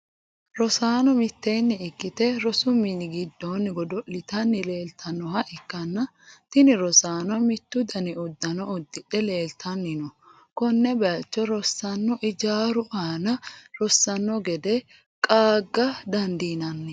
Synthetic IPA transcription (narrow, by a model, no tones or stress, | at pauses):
ɾɔsaːnɔmɪt̪ːejnːɛɪkːɪt̪ɛɾɔsʊmɪnɪɡɪd̪ːonːɡɔd̪ɔlɪt̪ɐnːɪle̞ːlt̪ʰɐnːɔhɐʔɪkːɐnːɐ | t̪ɪnɪɾɔsaːnɔmɪt̪ːʊd̪ɐnɪʊd̪ːɐnɔʊd̪ːɪᶑɛle̞ːlt̪ʰɐnːɪnɔ | kɔnːɛbɛɐt͡ʃːɔɾɔsːɐnːɔʔɪd͡ʒaːɾʊʔaːnɐɾɔsːɐnːɔɡɛd̪ɛ | kʼaːɡːɐd̪ɐnd̪iːnɐnːɪ